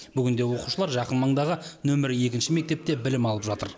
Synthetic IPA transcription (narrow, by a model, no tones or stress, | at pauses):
bʏɡʲɪnd̪e̞wo̞quʃəlˠɑɾʒɑqənmɑɴd̪ɑʁənɵmɪɾje̞kʲɪnʃɪme̞k̚t̪e̞p̚t̪e̞bɪlɪmɑlˠəpʒɑt̪ə̰ɾ